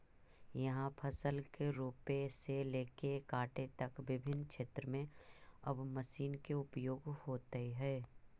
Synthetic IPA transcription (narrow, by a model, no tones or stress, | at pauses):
jɐɦãpʰɐsəlkeɾuːpeseleːkekaːʈet̪ɐkʋɪbʱɪnʃeːt̪ɾəmẽɐbmɐsiːnkeʊpjoːɡhoːt̪eɦɛː